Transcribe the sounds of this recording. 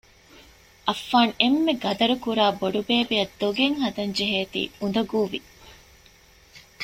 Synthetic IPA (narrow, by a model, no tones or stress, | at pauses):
ʔɐfːaːnemːeɡɐd̪ɐɾukuɾaːboɖubeːbejɐd̪ːoɡeŋhɐd̪ɐnd͡ʒeɦeːt̪ḭːund̪ɐɡuːʋi